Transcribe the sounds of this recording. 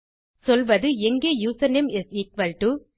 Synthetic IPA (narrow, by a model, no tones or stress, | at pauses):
sɔlʋɐðɯɛŋɡeːjuːsɐnɛmɛsikʋɐlʈu